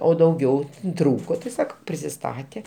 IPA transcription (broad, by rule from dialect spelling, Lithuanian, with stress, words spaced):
oː dɐʊˈɡʲɛʊ ˈtruːkoː tʲɪ sɐˈkɐʊ pʲrʲɪsʲɪˈstɑːtʲeː